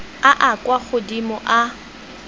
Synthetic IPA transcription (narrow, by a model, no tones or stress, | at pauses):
aʔakʼwaχʊdimʊʔa